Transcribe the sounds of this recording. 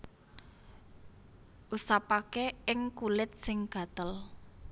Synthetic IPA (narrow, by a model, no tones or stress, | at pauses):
ʔusapakeɪŋkulɪt̪̚sɪŋɡ̥ä̤t̪əl